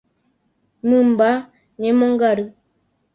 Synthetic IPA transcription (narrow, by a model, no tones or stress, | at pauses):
mɨm̩ba | ɲemɔŋɡaɾɯ